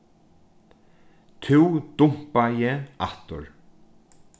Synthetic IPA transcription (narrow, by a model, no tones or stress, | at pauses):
t̪ʰuwd̪ʊm̥pajɛaht̪ʊ̰ɹ